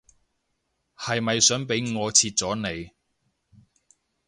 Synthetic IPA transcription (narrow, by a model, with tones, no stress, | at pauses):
hɐ˨jmɐ˨jsœː˨˥ŋpe˨˥jŋɔː˨˧t͡sʰiː˧t̚t͡sɔː˨˥ne˨˧j